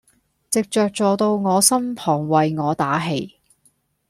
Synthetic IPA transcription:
t͡sɪ˨k̚t͡ʃœː˨˧k̚t͡sɔː˨t̪o˧wŋɔː˨˧sɐ˥mpʰɔː˨˩ŋwɐ˨jŋɔː˨˧t̪aː˨˥ɦe˨˩j

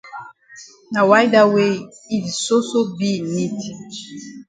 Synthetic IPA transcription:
na˨wa˦jda˦we˦i˨tso˦so˦bi˦ni˦tʰi˨d

